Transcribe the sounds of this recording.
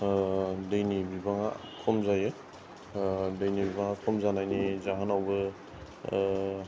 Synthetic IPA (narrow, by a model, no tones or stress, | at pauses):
dɯjnibibaŋa̰kʰɔmzajɯ | dejnibibaŋakʰɔmzanajnizaɦanawbɯ